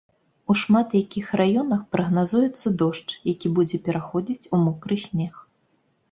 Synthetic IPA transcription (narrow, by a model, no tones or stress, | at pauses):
uʂmat̪jakʲixrajɔnɐxpɾɐɣnazujɛt̪sːɐd̪ɔʂt͡ʂjakʲibud͡zʲɛpʲɛɾaxɔd͡zʲit͡sʲumɔkɾɨsʲnʲɛx